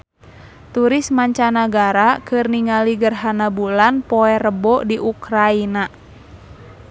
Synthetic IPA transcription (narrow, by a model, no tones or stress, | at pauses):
t̪uɾɪsmaɲt͡ʃanaɡaɾakɨrniŋaliɡərɦanabulanpɔɛrəbɔdiʔukɾaina